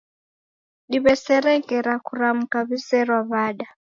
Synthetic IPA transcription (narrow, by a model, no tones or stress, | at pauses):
ɗiβɛsɛɾɛŋkɛɾakuɾam̩kaβisɛrwaβaːɗa